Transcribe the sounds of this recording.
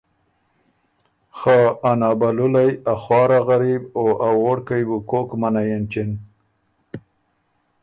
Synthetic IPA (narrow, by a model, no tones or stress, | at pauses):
xaːnɑːbalʊlajaxwɑːɾaɣaɾiboʔawoɽkajbukokmanajent͡ʃɪn